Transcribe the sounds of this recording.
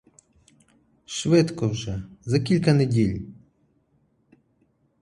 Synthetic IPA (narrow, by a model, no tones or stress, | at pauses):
ʃʋɪt̪kɔwʒɛzɐkʲilʲkɐnedʲilʲ